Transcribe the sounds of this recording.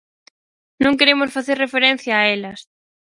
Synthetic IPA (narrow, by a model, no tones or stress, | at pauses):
nõŋkeɾemosfaθeɾrefeɾẽn̟θjaːelɐs